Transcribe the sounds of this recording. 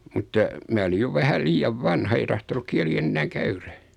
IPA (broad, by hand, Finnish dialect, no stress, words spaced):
mutːɑ mæː olij jo ʋæhæl liːjɑʋ ʋɑnhɑ ei tɑhtonuk kiæli enːæːŋ kæyræ